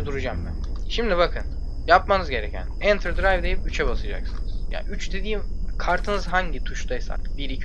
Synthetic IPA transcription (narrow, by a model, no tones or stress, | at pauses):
d̪uɾud͡ʒambæn | ʃimd̪iβakʰɯn | japmanɯzɟe̞ɾecʰæ̰nɛnt̪ʰɾd̪ɾajvd̪e̞jipyt͡ʃʰɛbasad͡ʒa̰ksɯnɯz̥ja̰ːyt͡ʃd̪e̞d̪iːim | kʰaɾt̪ʰɯnɯzɦaɲɟit̪ʰuʃt̪ʰajsa̰kbiɾi